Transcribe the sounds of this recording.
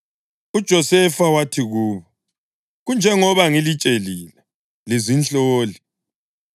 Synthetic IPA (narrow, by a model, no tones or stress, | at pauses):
ud̥ʒ̥ʱɔsɛfawatʰiɣuːβɔ | ɣund͡ʒʱɛŋɔβaŋilit͡ʃʼeliːlɛ | lizint͡ɬʼoːli